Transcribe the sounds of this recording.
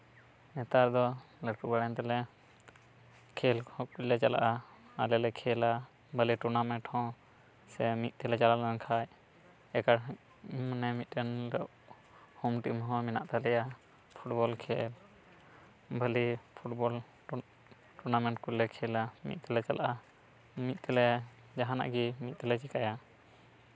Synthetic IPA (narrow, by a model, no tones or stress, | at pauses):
mɛt̪aɾd̪ɔlɛɾkubaɽɛnt̪ɛlɛ | kʰɛlhɔ̃kulːɛt͡ʃala̰ʔaalɛlɛkʰɛla | bəliʈuɾnamɛ̃ɳʈhɔ̃ | sɛmit̪̚ˀt̪ɛlɛt͡ʃalalaɛnkʰaj | ɛkaɾ | mənɛmit̪̚ˀɛnlɛʔ | hɔmʈimɦɔ̃mɛnaʔt̪alɛja | pʰuʈ̚bɔlkʰɛl | bʱəlipʰuʈbɔl | ʈuɾnamɛʈ̚kulːɛkʰɛlamḭt̪̚ˀt̪ɛlɛt͡ʃalaʔa | mit̪̚t̪ɛlɛ | d͡ʒaɦana̰ʔɡimit̪̚ˀt̪ɛlɛt͡ʃikaja